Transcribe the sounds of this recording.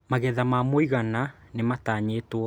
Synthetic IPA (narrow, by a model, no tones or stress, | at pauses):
maɣɛðamamoiɣananemataɲeːtwɔ